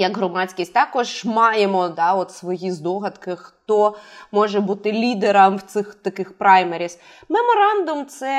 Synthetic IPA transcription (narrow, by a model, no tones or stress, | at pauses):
jɐɡɦɾɔmɑt͡sʲkʲisʲtʲt̪ɑkɔʒmɑjemɔd̪ɑɔt̪sʋɔjizd̪ɔɦɐd̪kɪxt̪ɔmɔʒɛbut̪ɪlʲid̪eɾɐmwt̪sɪxt̪ɐkɪxpɾɑjmeɾʲis | memɔɾɑnd̪ʊmt̪sɛ